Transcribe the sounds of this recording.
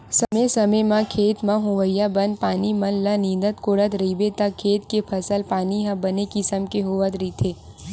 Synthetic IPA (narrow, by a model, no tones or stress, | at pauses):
səmesəməjmãkʰeːt̪mãɦʊʋəjabənpaːnimənlanĩːd̪ət̪koːɽət̪ɾeibet̪akʰeːt̪̚kepʰəsəlpaːniɦãbənekisəmkeɦoʋət̪ɾit̪ʰeː